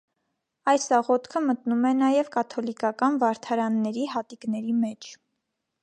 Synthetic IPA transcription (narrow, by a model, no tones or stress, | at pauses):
ɑjsɑʁɔt̪kʰəmət̪numɛnɑjɛvkɑt̪ʰɔlikɑkɑnvɑɾt̪ʰɑɾɑnːɛɾiɦɑt̪iknɛɾimɛt͡ʃʰ